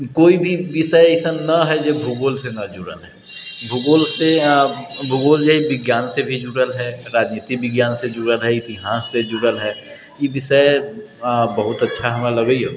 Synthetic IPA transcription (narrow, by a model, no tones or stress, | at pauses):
koːibʱiʋɪʃəjeɪsənɐɦɛd͡ʒebʱuɡoːlsenɐd͡ʒʊɽə̰lɦɛ | bʱuɡoːlse | bʱuɡoːld͡ʒəɦiʋɪɡjaːnsebʱid͡ʒuɽəlɦɛɾaːd͡ʒneːt̪ik̚bɪɡjaːnsed͡ʒuɽəlɦɛɪt̪iɦaːsːed͡ʒʊɽəlɦɛː | jeʋɪʃəj | bəɦʊt̪ɐtːʃʰaɦɐmẽlɐɡəioː